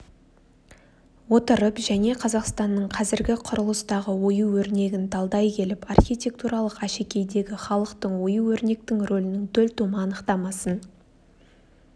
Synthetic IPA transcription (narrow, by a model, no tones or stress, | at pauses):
wo̞t̪əɾəpʒæne̞qʰɑzɑqst̪ɑnːəɴqʰɑzɪɾɡʲɪqʰʊɾʊlˠəst̪ɑʁəwo̞juwɵɾne̞ɡʲɪnd̪ʰɑlˠd̪ɑjkʲʰe̞lɪpɑrχʲijt̪ʲe̞k̚t̪uɾɑlˠəqæʃe̞kʲe̞jd̪e̞ɡʲɪχɑlˠəqt̪əɴwo̞juwɵɾne̞k̚t̪ɪŋro̞lɪnɪŋt̪ʰɵlt̪uməɑnəqt̪ɑmɑsən